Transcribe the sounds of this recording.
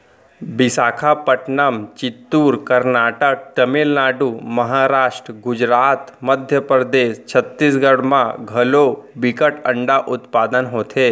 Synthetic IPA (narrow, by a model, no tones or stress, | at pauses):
bɪsaːkʰapəʈnəmt͡ʃɪt̪ːuːɾkəɾnaːʈək̚ʈ̪ɐmɪlnaːɖuməɦaːɾaːʃʈɾəɡʊd͡ʒɾaːt̪məd̪ʱjəpɾəd̪eːst͡ʃʰət̪ːis̬ɡəɽmãɡʱɐlobɪkəʈə̃ɳɖaʔʊt̪paːd̪ənɦoːt̪ʰeː